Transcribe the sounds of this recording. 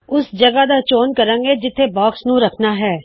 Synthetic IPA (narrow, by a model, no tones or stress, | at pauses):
ʊsd͡ʒəɡaːd̪aːt͡ʃoːnkəɾãːŋɡeːd͡ʒɪt̪ʰːeːbɔːksnũːɾəkʰnaːɦɛː